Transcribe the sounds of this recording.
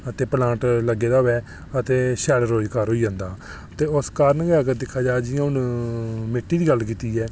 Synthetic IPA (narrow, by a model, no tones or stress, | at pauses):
ət̪eːpəlãːɳʈləɡːeːd̪aːɦoɛː | ət̪eːʃɛːlɾoːd͡ʒkaːɾɦoːiːd͡ʒãːnd̪aː | t̪eːʊskaːɾnɡakəd̪ɪkʰːaːd͡ʒaːd͡ʒɪjãːʊn | mɪʈːiːd̪iːɡəlkiːt̪iːɛː